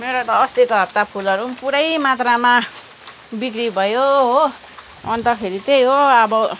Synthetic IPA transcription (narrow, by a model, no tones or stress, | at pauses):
meɾot̪ʌːst̪ikɦʌpt̪apʰulʌɾupuɾʌjmat̪rama | bikɾibʱʌjoɦo | ʌnt̪ʌkʰeɾit̪ejɦoʌbʌ